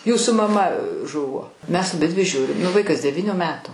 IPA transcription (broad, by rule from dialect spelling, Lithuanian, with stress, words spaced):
ˈjuːsuː mɐˈmɐ ˈʒʊʋoː mʲɛs ɐˈbʲɪdʲʋʲɪ ˈʒʲuːrʲɪm nʊ ˈʋɐɪkɐs dʲɛˈʋʲiːnʲʊ ˈmʲæːtʊ